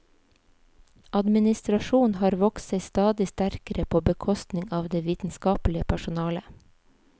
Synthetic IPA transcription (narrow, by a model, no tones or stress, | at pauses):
ɑd̪mɪnɪst̪ɾɑʃuːnhɑːɾʋɔksæɪst̪ɑːd̪ɪst̪æɾkəɾəpʰoːbəkʰɔst̪nɪŋɑːʋd̪eːʋiːt̪n̩skɑːplɪəpʰæʃʊnɑːlə